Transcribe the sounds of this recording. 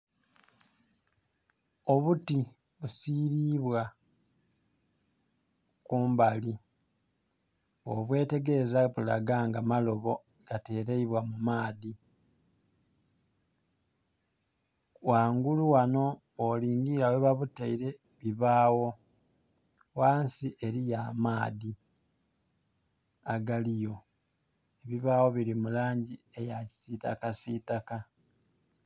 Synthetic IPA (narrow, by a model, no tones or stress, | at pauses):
oβuti | βusiːɾiːβwa | kuːmbali | o̰βwe̞ːte̞ɡe̞zaβula̰ɡaːŋɡamalo̞βo̞ | ɡ̥ate̞ːɾeiβwamumaːði | waːŋɡuluwano̞ː | liːŋɡiɾaweβaβuteiɾe̞ | βiβaːwo̞ | waːnsiʔe̞ɾijaːmaːði | aɡalijo̞ | eβiβaːwo̞βiɾimulaːɲɟie̞jaci̥sitakasitaka